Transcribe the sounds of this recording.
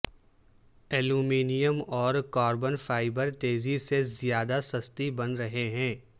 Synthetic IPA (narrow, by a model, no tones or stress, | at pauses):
ɛːluːmiːnijəmɔːɾkɔːɾbənfaːɪbəɾt̪eːzisezijaːd̪asɐst̪ibɐnɾɐɦeɦɛ̃ː